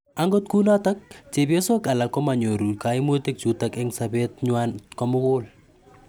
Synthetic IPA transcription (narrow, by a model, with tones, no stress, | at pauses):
a˦ŋɡɔ˦t̚ku˦na˦ta˦k̚t͡ʃe˨bjo˦so˦ka˨la˨kːɔ˦ma˨ɲo˨ɾu˨ka˨i˦mo˦te˦k̚t͡ʃu˨ta˦kɛ˦ŋsa˨bɛ˦tɲwa˦nkɔ˦mʊ˦kʊ˦l